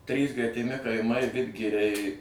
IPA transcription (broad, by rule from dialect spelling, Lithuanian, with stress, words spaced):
ˈtʲrʲiːs ɡrʲɛtʲɪˈmʲɪ kɐɪˈmɐɪ ˈʋʲɪdʲɡʲɪrʲɛɪ